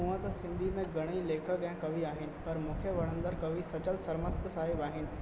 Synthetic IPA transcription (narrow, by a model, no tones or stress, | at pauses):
ɦũːə̃t̪ɐsɪ̃nd̪ʱimẽɡɐɽ̃ileːkʰəɡjãkɐʋiaːɦɪnɪ̆pɐɾmʊkʰjəʋɐɽ̤ə̃nd̪əɾkɐʋisɐt͡ʃəlsɐɾməst̪saːɦɪbaːɦɪnɪ̆